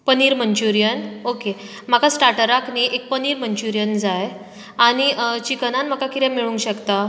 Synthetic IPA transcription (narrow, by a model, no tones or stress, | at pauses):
pəniːɾməɲt͡ɕuɾijənoke | m̤akasʈaɾʈəɾakniʔek̚pəniːɾməɲt͡ɕuɾjənd͡zaj | aɽ̃it͡ɕikənanm̤akakit̪ɛ̃miɭũŋɡɕəkt̪a